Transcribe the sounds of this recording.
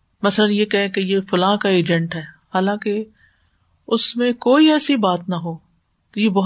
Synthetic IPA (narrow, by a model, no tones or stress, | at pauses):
mɐslənjekɛɦẽkejefʊlãːkaeːd͡ʒɛ̃ɳʈɦɛːhaːlãːke | ʊsmẽkoːiɛːsibaːt̪nɐɦoː | t̪ojebɐɦ